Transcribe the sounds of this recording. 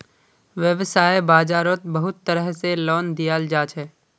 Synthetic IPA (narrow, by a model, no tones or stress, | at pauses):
ʋjəʋsaːebaːd͡ʒaːɾot̪̚bɐɦʊt̪ːəɾəɦselɔːnd̪ijaːld͡ʒaːt͡ʃɦɛː